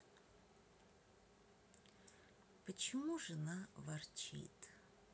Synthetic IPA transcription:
pət͡ɕɪmuʐɨnavɐrt͡ʃḭt̪

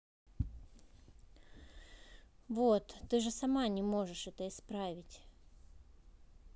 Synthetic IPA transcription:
vot̪ːɨʐɨsɐmanʲɪmo̞ʐɨʂɛt̪əɪspɾavʲɪtʲ

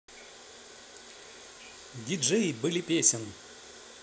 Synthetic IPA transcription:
d̪ʲid͡ʒɛjibɨlʲipʲesʲɪn

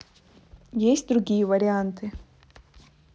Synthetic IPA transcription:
jesʲt̚ʲd̪ɾuɡʲijɛvaɾʲɪant̪ʰɨ

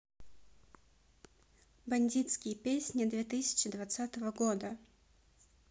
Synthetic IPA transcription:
bɐnʲdʲit̪skʲɪjəpʲesʲnʲɪd̪vʲet̪ɨsʲɪ̥t͡ɕɪd̪vat̪sat̪əvəɡod̪ə

